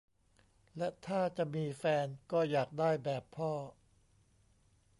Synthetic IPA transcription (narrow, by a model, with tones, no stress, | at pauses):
lɛ˦˥t̪ʰaː˥˩t͡ɕa˨˩ʔmiː˧fɛː˧nkɔː˥˩jaː˨˩k̚daː˥˩jbɛː˨˩pʰːɔː˥˩